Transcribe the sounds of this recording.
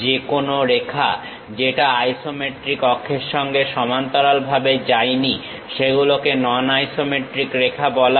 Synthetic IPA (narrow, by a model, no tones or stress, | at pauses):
d͡ʑekonoɾekʰa̰ | d͡ʑeʈaajsomeʈɾikɔkʰːeɾʃɔŋɡeʃɔmant̪ɔɾalbʱabed͡ʑajni | ʃeɡulokenɔnajsomeʈɾikɾekʰabɔla